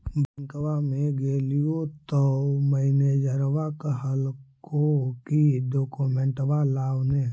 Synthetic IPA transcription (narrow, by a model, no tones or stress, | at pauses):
bʱə̃ŋkwamẽɡeːlijot̪ɔməɪned͡ʒəɾwakɦəlkokiɖoːkomẽɳʈʋalaːwne